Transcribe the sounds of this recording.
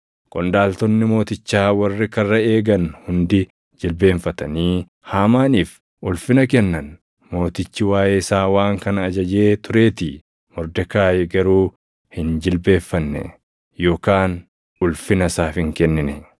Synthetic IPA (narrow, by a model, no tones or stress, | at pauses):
kʼɔnd̪aːlt̪ɔnːɪmo̞ːt̪ɪt͡ʃːaːwɐrːɪkɐrːɐeːɡɐnhʊnd̪ɪ | d͡ʒɪlbe̞ːɱfɐt̪ɐniː | haːmaːniːf | ʔʊlfɪnɐk̬ɛnːɐn | mo̞ːt̪ɪt͡ʃːɪwaːjʔeːɪsaːwaːŋkɐnɐːd͡ʒɐd͡ʒe̞ːt̪ʊɾe̞ːt̪ɪ | mɔɾd̪ɛkaːjɛɡɐɾuː | hɪnd͡ʒɪlbe̞ːfːɐnːɛ̰ | jo̞ːkaːn | ʊlfɪnɐsaːfɪŋkɛnːɪnɛ